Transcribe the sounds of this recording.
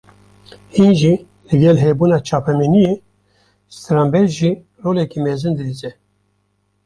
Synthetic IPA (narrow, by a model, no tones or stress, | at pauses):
hinʒi | lɨɡɛlɦeːbuːnɑːt͡ʃʰɑːpʰɛminijeː | st̪ɾaːmbɛɾʒi | roːlɛkimeːzɨnd̪ɨɾiːzɛ